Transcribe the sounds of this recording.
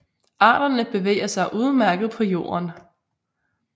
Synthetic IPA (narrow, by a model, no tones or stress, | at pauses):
ʔɑ̈ːɾ̥ɐnəb̥e̝ʋḛːɐsɑ̈ɪʔuːðˠmæɐɡ̥ð̩ˠpʰɒ̽jo̝̰ːɐn